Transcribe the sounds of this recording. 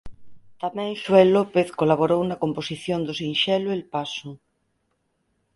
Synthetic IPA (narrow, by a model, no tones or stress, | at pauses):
t̪amɛ̃ŋʃwelopeθkolaβoɾownakomposiθjond̪osĩnʃɛloelpasʊ